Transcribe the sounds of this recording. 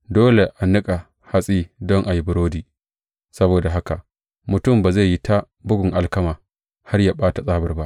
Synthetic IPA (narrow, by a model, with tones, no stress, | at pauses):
doː˦le˨ʔa˨nɪ˦kʼa˨ | ha˦sʼiː˦dɔ˦ŋʔa˨ji˦bʊ˨ɾoː˦diː˨ | sɐ˦boː˨da˨ɦa˦ka˨ʔ | mʊ˨tʊ˦˨mbaː˨za˦˨jːi˦ta˦ | bʊ˦ɡʷʊ˨ŋʔa˨lkɐ˦maː˨ | ha˦rjaː˨ɓaː˦ta˨sʼaː˦bɐ˨rba˦ʔ